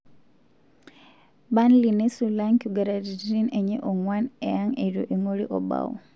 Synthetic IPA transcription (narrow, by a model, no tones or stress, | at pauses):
banlinesulaŋkuɡaɾaɾidineɲeʔoŋwanejaŋeɾjoʔeŋoliʔoba̰wo̰